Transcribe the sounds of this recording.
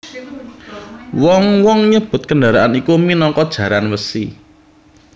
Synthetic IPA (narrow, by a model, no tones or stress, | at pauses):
wɔŋwɔŋɲəb̥ʊ̤t̪̚kəndaɾaʔanikuminɔŋkɔd̥ʒ̥ä̤ɾanwəsi